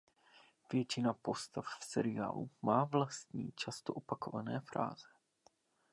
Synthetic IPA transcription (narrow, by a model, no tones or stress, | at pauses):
vjɛt͡ʃɪnapo̞st̪affsɛɾɪa̰ːlṵmaːvlast̪ɲḭːt͡ʃast̪oʔopakovanɛːfɾʔa̰ːzɛ